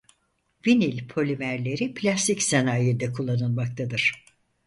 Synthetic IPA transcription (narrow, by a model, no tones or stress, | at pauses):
vinilʲpʰo̞lʲimæɾlʲe̞ɾipʰlʲast̪icsenaːjed̪ɛkʰulˠːanɯlˠmak̚t̪ʰad̪ɯɾ̥